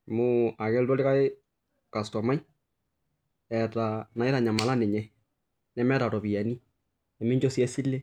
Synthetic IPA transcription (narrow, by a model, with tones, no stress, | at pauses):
mʊ˦a˨kɛ˦ltɔ˦li˦ka˦e˦ | ka˨stɔ˨ma˦i˦ | ɛ˨ta˨na˨ɪ˦ɾa˨ɲa˨ma˨la˦ne˨ɲɛ˦ | nɛ˨˦mɛ˦ɾa˨tɔ˨pi˨jɛ˨ni˦ | ɛ˨mɪ˦ɲd͡ʒɔ˦sjɛ˦si˦lːe˦